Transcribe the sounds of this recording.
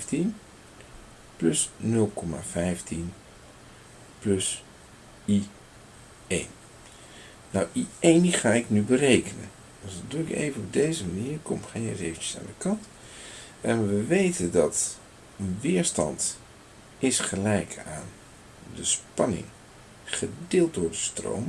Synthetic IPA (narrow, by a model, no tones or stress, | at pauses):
tin | plɵsnɵlˠkɔma̰vɛjftin | plɵs | i | ejn | nawʔiejndiχaːɪknybərejkənə̰n | dɑsduɪkḛjvənɔb̚dejzəmaniːɹkɔmχejnɛ̰tejvənt͡ʃə̥sa̰ːndəkɑnt | ɛnʋəʋejtəndɑt | ənʋɪːɹstɑ̰nt | ɪsχəlɛjkʰaːn | dəspɑnɪ̰ŋ | χədɪːlˠt̚dʊːɹdəstro̰wm